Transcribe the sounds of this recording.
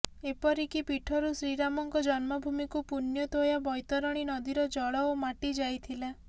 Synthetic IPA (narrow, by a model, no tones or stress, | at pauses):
epɔɾikipiʈʰɔɾusɾiɾamɔŋkɔd͡ʒɔnmɔbʱumikupunjɔt̪ojabɔjt̪ɔɾɔɽ̃inɔd̪iɾɔd͡ʒɔɭɔomaʈid͡ʒajt̪ʰila